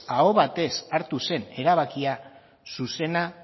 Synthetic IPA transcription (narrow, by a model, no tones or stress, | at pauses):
ao̞βat̪e̞saɾt̪use̞ne̞ɾaβ̞akia | suse̞na